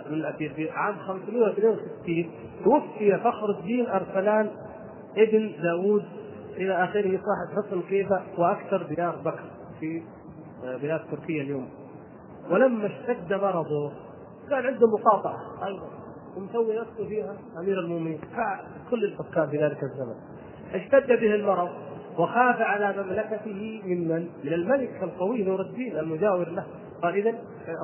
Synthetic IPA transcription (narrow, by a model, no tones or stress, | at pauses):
mɪnɪlʔafiːɾbiʕaːmxamsmijːawɪθneːnwɪsɪt̪ːiːn | t̪wafːɪjafaxɾʊd͡ʒd̪iːnʔɑɾˤsalaːn | ʔɪbnd̪aːwuːd̪̚ | ʔɪlaʔaxɪɾhiːsˤɑːħɪb̪ħʊsˤnqiːbawʔaktɑɾˤb̪ɪjɑːɾˤbakɾˤ | fi | bɪlaːd̪t̪ːʊɾkɪjːaljoːm | wɪlamːaʃt̪ad̪ːamɑɾˤɑd̪ˤuː | kaːnʕɪnd̪hʊmːʊqɑːt̪ˤɑʕaʔɑjðˤɑn | wɪmsawːinafsʊfiːɦa | ʔamiːɾalmʊʔmɪniːnfaʕ | kʊlːɪlfʊkːaːnfiðaːlɪkazːama̰n | ʔaʃt̪ad̪ːabɪhɪlmɑɾˤɑðˤwaxaːfaʕalamamlakat̪ɪhɪmɪnmanmɪnɪlmalɪkalqɑwiːnʊɾˤɑd̪ːiːnalmʊd͡ʒaːwɪɾlah | qɑːlʔɪðan